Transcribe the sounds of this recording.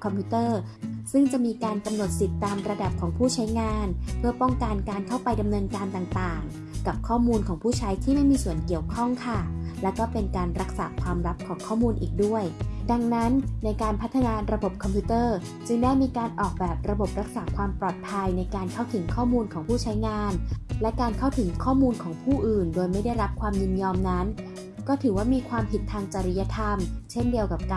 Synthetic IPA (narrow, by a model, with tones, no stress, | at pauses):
kʰɔ˧mpʰuː˦˥t̪ɤː˥˩sɯ˥˩ŋt͡ɕa˨˩ʔmiː˧kaː˧nka˧mno˨˩t̪̚si˨˩t̪ːaː˧mɾa˧da˨˩p̚kʰɔː˩˦ŋpʰuː˥˩t͡ɕʰa˦˥jŋaː˧npʰɯ˥˩ɐpɔ˥˩ŋka˧nkaː˧nkʰa˥˩wpa˧jda˧mnɤː˧nkaː˧nt̪aː˨˩ŋt̪aː˨˩ŋ | ka˨˩p̚kʰɔː˥˩muː˧nkʰɔː˩˦ŋpʰuː˥˩t͡ɕʰa˦˥jt̪ʰiː˥˩ma˥˩jmiː˧su˨˩ənki˨˩əwkʰɔ˥˩ŋkʰa˥˩lɛ˦˥kɔː˥˩pe˧nkaː˧nɾa˦˥k̚saː˩˦kʰwaː˧mɾa˦˥p̚kʰɔː˩˦ŋkʰɔː˥˩muː˧nʔiː˨˩k̚du˥˩əjda˧ŋna˦˥nːa˧jkaː˧npʰa˦˥t̪ʰːa˧naː˧ɾa˧bo˨˩p̚kʰɔ˧mpʰuː˦˥t̪ɤː˥˩ | t͡ɕɯ˧ŋdaː˥˩jmiː˧kaː˧nʔɔː˨˩k̚bɛː˨˩p̚ɾa˧bo˨˩p̚ɾa˦˥k̚saː˩˦kʰwaː˧mpɾɔː˨˩t̪̚pʰa˧jna˧jkaː˧nkʰa˥˩wt̪ʰɯ˩˦ŋkʰɔː˥˩muː˧nkʰɔː˩˦ŋpʰuː˥˩t͡ɕʰa˦˥jŋaː˧nlɛ˦˥kaː˧nkʰa˥˩wt̪ʰɯ˩˦ŋkʰɔː˥˩muː˧nkʰɔː˩˦ŋpʰuː˥˩ʔɯː˨˩ndoː˧jma˥˩jda˥˩jɾa˦˥p̚kʰwaː˧mjɯ˧njɔː˧mna˦˥n | kɔː˥˩t̪ʰɯː˩˦waː˥˩miː˧kʰwaː˧mpʰi˨˩t̪ʰːaː˧ŋt͡ɕa˧ɾi˦˥ja˧˥t̪ʰa˧mt͡ɕʰe˥˩ndi˧əwka˨˩p̚ka˧